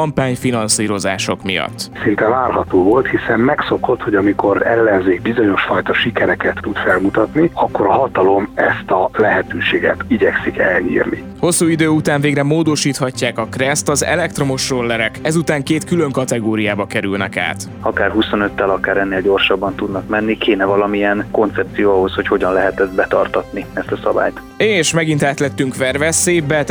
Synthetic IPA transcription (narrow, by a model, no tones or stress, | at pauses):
ɒmpaːɲfinɒnsiːɾo̞za̰ːʃo̞̰kmḭjɒ̰t̪ːsint̪ɛnaːrɦɒt̪oːvo̞lt̪hisɛmmɛksoko̞t̪ho̞ɟɒmiko̞ɾɛlːɛnzeːɡ̚bizoɲo̞ʃfɒjt̪ɒʃikɛɾɛkɛt̪ːud̪fɛlmut̪ɒt̪niɒkːoɾɒɦɒt̪ɒlo̞mɛst̪ɒlɛɦɛt̪øːʃeːɡɛt̪iɟɛksikɛlɲḭːrnḭ | ho̞sːuːid̪øːut̪aːɱveːɡrɛmoːd̪o̞ʃiːt̪hɒcːaːkɒkrɛst̪ɒzɛ̰lɛk̚t̪ro̞mo̞ʃrolːɛɾɛkɛzut̪aːŋkeːt̪kylø̞ŋkɒt̪ɛɡoːɾijaːbɒkɛɾylnɛ̰ka̰ːt̪ | ɒkaːrɦuso̞nøt̪ːɛlɒkaːɾɛnːeːlɟo̞rʃɒbːɒnt̪ud̪nɒkmɛnːikʰeːnɛvɒlɒmiɛnko̞nt̪sɛp̚t̪sijoːɒɦo̞sho̞cho̞ɟɒnlɛɦɛt̪ɛzd̪bɛt̪ɒrt̪ɒt̪niɛst̪ɒsɒba̰ːjt̪ | eːʃmɛɡint̪aːt̪lɛt̪ːyŋkʋɛrvɛseːbːɛt̪